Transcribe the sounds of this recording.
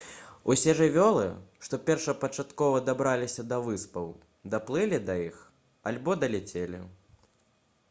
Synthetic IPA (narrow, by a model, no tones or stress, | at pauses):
usʲɛʐɨvʲɔlˠɨ̰ʂt̪ɔpʲɛrʂɐpɐt͡ʂat̪kɔvɐd̪abɾalʲisʲɐd̪ɐvɨspɐw | d̪ɐplˠɨlʲid̪ɐjix | alʲbɔd̪ɐlʲɛt͡sʲelʲḭ